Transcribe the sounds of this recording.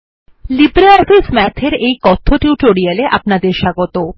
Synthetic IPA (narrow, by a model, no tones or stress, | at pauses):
libɾaɔfismɛt̪ʰeɾejkɔt̪ʰːoʈiwʈoɾialeʔapnad̪eɾʃaɡot̪o